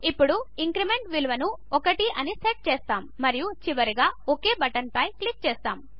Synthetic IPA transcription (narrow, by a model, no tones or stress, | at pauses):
ipːuɽuiŋkɾime̞ɳʈʋilʋɐnu | ɔkɐʈiʔɐniseʈ̚t͡ʃɛːst̪aːmːɐɾijut͡ʃiʋɐɾiɡaːokeːbɐʈɐnpɐjklik̚t͡ʃɛːst̪aːm